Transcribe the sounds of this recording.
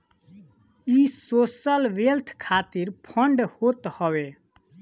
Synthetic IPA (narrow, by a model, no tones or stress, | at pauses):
isosəlʋelt̪ʰkʰat̪iɾpʰəɳɖhot̪hɔwe